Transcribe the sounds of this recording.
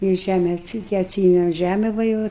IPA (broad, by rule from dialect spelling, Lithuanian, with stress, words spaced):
ɪr ˈʒʲæmʲɛ ɐtʲˈsʲiː tʲɪ ɐtʲˈsʲiːɛmʲɛm ˈʒʲæmʲɛ ˈʋɐ jɛʊ